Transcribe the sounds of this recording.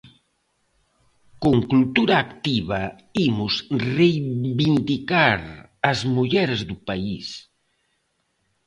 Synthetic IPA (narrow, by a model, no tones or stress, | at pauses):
koŋkult̪uɾaːkt̪iβɐ | imʊsrejβind̪ikaɾ | ɐzmuʎɛɾzd̪upais